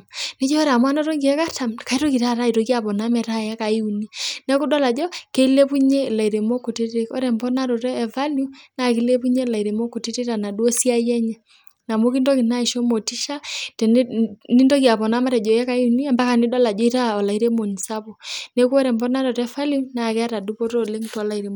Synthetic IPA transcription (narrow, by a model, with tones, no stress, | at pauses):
nɪ˦d͡ʒɔ˦ɾa˨mwa˦nɔ˦ɾɔ˦ŋɡi˨ɛ˦ka˦ta˨mka˨i˦ɾɔ˦ki˨ɾa˦˨ɾa˦i˨ɾo˨˦kja˨pɔ˨na˦mɛ˨ɾa˦ja˦ka˨i˦u˨ni˦nɛ˦ku˦dɔ˦la˨d͡ʒɔ˦ke˦le˦pu˦ɲe˦˨la˨i˨ɾe˨mɔ˦ko˨te˦te˦ɔ˦ɾɛ˨mbɔ˦na˦ɾɔ˨ɾɛː˦˨va˦lju˦na˨ki˨˦le˦pu˦ɲɛ˦˨la˨i˨ɾe˨mɔ˦ko˨te˦te˦ta˨na˨dwɔ˦si˦a˦jɛ˦ɲɛ˨ | na˨mo˦ki˦ndɔ˦ki˨na˦i˨ʃɔ˦mo˨ti˦ʃa˦tɛ˨˦ni˦ndɔ˦kja˨βɔ˨na˦ma˦ɾɛ˨d͡ʒɔ˨ja˦ka˨i˦u˨ni˦a˨mba˦ka˨ni˦dɔ˦la˨d͡ʒɔ˦i˦ɾa˦ɔ˨la˨i˦ɾe˦mo˨n˨sa˦βo˨ne˦ku˦ɔ˦ɾɛ˨mbɔ˦na˦ɾɔ˨ɾɛ˦fa˦lju˦na˨kɛ˦a˦ɾa˨du˦pɔ˦ɾo˦le˦ŋtɔ˨˦la˨i˨ɾe˨m